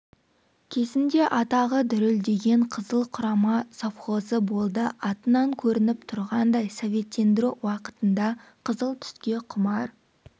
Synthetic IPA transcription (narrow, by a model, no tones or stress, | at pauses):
kʲʰe̞zɪnd̪e̞ʔɑt̪ɑʁəd̪ʏɾɪld̪e̞ɡʲe̞ɴqʰəzəlˠqʰʊɾɑmɑsofχo̞zəbo̞lˠd̪əʔɑt̪ənɑŋkʲʰɵɾɪnɪpt̪ʰʊɾʁɑnd̪ɑjsovʲe̞t̪ːe̞nd̪ɪɾuwɑqət̪ənd̪ɑqʰəzəlˠt̪ʰʏ̥skʲe̞qʰʊmɑɾ